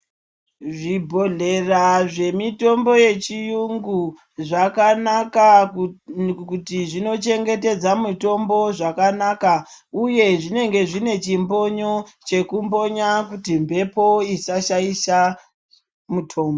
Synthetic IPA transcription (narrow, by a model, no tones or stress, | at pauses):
ʐibʱo̞ɮe̞raʐe̞mito̞mbo̞je̞t͡ʃijuŋɡu | ʐakanaka | kutiʐino̞t͡ʃe̞ŋɡe̞te̞d͡zamuto̞mbo̞ʐakanaka | uje̞ʐine̞ŋɡe̞ʐine̞t͡ʃimbo̞ɲo̞t͡ʃe̞kumbo̞ɲakutimbʱe̞po̞isaʃaisa | mutʰo̞ːmbo